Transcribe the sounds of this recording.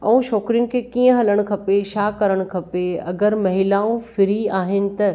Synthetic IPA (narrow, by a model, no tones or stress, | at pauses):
ɛ̰̃ũʃɔːkɾɪŋɡkʰekiːə̃ɦɐləɽ̃̆kʰɐpeʃaːkɐɾəɽ̃̆kʰɐpeɐ̰ɡəɾmɐɦɪlaːũfɪɾiaːɦɪnɪ̆t̪ɐɾ